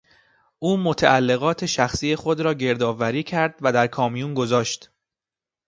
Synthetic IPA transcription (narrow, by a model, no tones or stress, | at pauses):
ʔuːmo̞t̪ʰæʔælːe̞ɣɒːt̪ʰe̞ʃæxsiːjexo̞d̪ɾɒːɟe̞ɾd̪ɒːvæɾiːcʰæɾd̪væd̪æɾkʰɒːmijuːnɡo̞zɒːʃt̪